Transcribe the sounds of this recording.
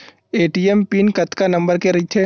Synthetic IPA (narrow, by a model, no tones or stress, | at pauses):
eːʈiːempiːnkɐt̪kanɐ̃mbəɾkeɾɐit̪ʰe